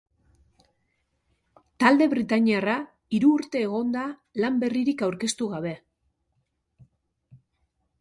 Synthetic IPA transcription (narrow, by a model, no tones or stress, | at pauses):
t̪ald̪e̞βɾit̪aɲiara | iɾuːɾt̪e̞ːɣ̞o̞nd̪alambe̞riɾikawɾke̞st̪uɣaβ̞e̞